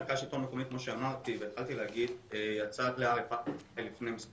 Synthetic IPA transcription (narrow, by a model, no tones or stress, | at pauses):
kaʃit̪o̞nmokomit̪̚kmo̞ʃeamaʁt̪ivet̪χalt̪ileaɡid̪ejat͡sat̪leaʁefajlifnejmis